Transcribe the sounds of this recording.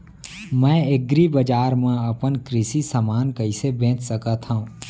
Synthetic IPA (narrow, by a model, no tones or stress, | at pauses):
mɛ̃ːeɡɾibəd͡ʒaːɾmẽɐpənkɾɪsisəmaːnkəisebẽːt͡ʃsəkat̪ʰɦãũ